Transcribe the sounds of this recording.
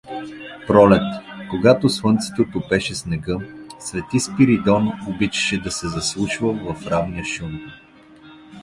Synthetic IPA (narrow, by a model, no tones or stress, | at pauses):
pɾɔlɛt̪koɡat̪oswɤnt̪sɛ̥t̪ot̪ʊpɛʃɛsnɛɡɤsvɛt̪ispiɾid̪ɔnobit͡ʃɐ̥ʃɛd̪ɐsɛzɐslˠuʃvɐvɐfɾavniəʃum